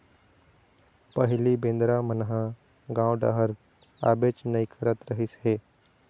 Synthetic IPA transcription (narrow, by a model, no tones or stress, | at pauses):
pəɦɪlibẽːnd̪ɾamənɦã | ɡãːwɖa̰ɦəɾ | a̰ːbeːt͡ʃnəĩkʰəɾət̪ɾəɦɪsɦeː